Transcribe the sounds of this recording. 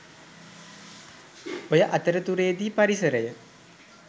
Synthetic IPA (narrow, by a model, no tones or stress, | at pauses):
ojəʔat̪əɾət̪uɾejːd̪iːpaɾisəɾəjə